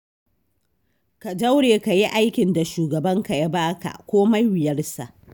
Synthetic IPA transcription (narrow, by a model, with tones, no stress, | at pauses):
ka˨da˦wɽeː˨ka˨ji˦ʔa˦jkʲɪ˨nda˨ʃuː˨ɡɐ˨bɐ˦ŋka˨ja˦baː˦ka̰˨kʷoː˦ma˦jwɪ˨jɐ˦rsa̰˨ʔ